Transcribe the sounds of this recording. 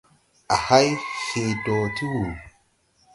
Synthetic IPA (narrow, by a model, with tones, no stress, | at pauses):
ʔa˨ha˦jhe˨dɔː˨ti˦wu˨l